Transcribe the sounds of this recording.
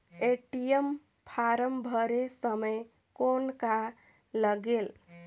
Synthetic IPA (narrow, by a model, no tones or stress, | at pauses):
eʈijem | pʰaɾəmbʱəɾesəməj | konka | ləɡel